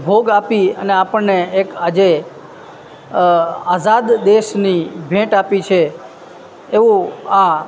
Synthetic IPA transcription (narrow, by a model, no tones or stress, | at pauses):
bʱoɡapiəneapəɳneːkad͡ʒe | azad̪d̪eʃnibʱẽʈapit͡ʃʰe | eʋũa